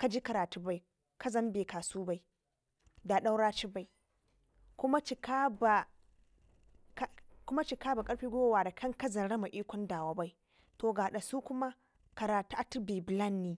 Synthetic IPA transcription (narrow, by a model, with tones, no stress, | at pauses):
ka˨d͡ʒi˦ka˨ɾaː˨tu˦ba˦j | ka˦zɐ˦mbeː˨kaː˨suː˦ba˦ji˦ | da˨ɗa˦wɽaː˦t͡ʃi˦ba˦j | kʷʊ˦ma˦t͡ʃi˨ka˦ba˨ | kkʊ˦ma˦t͡ʃi˨kaː˦ba˨kʼɐ˦ɾɸiː˦ɡʷoː˦waː˨da˨kʰɐ˦ŋkɐ˦zɐ˨nɽɐ˦ma˨ʔiː˦kʷɔ˦ndaː˨wa˦ba˦i˦ | toː˨ɡaː˨ɗa˨suː˦kʷʊ˦ma˦ | ka˨ɾaː˨tu˦ʔa˦tu˦beː˨bla˦nːiː˦